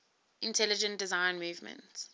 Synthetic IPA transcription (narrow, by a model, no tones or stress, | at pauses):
ʔɪ̃ntʰɛlɪd͡ʒə̃nd̥ɪzãɪ̃nmuːvmə̰̃nts